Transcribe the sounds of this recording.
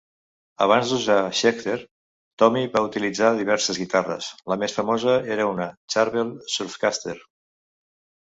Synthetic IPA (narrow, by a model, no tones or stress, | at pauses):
əβ̞anzd̪uʒaʃɛkt̪eɾ | t̪ɔmiβaut̪ilid͡zaðiβɛɾsəzɣit̪arə̰sləmesfəmozəeɾəunət͡ʃaɾβelˠsuɾfkast̪eɾ